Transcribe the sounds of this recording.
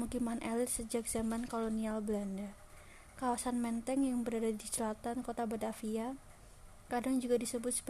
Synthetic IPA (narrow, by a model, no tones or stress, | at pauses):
ukimanʔɛlɪt̪səd͡ʒak̚z̥amankolonialbəlanda | kawasanmɛnt̪ɛŋjaŋbəɾadadisəlat̪ankot̪abad̪afia | kadaŋd͡ʒuɡadisəbʊt̪̚sə̥